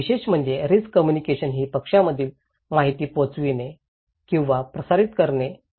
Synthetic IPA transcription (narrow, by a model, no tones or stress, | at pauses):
iɕeɕm̤əɳd͡zeɾiskəmjunikeɕənɦiːpəkʂaməd̪ʱːiːl | maɦit̪iːpot͡sʋine | kĩw̃ʋapɾəsaɾit̪kəɾne